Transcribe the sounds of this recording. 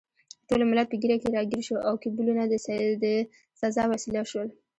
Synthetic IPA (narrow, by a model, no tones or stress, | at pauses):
ʈolomʊlapəɡiɾakeɾɑɡiɾʃoʔawkibulunad̪əsd̪ə | sazɑwasilaʃwəl